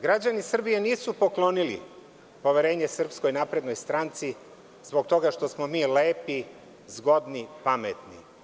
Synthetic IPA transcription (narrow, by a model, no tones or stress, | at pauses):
ɡɾad͡ʑanisr̩bijeniːsupo̞klo̞nilḭ | po̞ʋeɾe̞ːɲesr̩psko̞jnaːpɾe̞d̪no̞jst̪ɾant̪si | zbo̞k̚t̪o̞ɡaʃt̪o̞smo̞miːle̞ːpi | zɡo̞d̪nipamḛt̪nḭ